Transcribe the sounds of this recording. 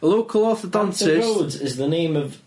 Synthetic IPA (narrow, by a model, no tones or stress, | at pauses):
əloʊkʰəlˠɔθədãnsɪzodɪzðənẽɪ̃məv